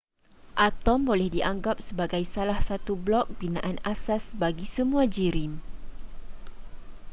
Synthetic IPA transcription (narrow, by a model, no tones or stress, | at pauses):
ʔat̪ɔmbolɛhdiʔaŋɡap̚səbaɡajsalahsat̪ublɔk̚binãʔanasasbaɡisəmũad͡ʒiɾim